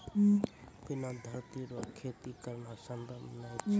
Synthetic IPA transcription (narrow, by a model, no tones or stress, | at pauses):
pɪnad̪ʱəɾt̪iɾokʰet̪ikəɾnasə̃nd̪ənat͡ʃʰ